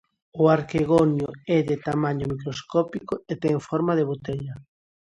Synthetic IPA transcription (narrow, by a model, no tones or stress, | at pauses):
ʊaɾkeɣonjʊɛðet̪amaɲʊmikɾoskɔpikʊet̪ɛŋfɔɾmaðeβot̪eʎa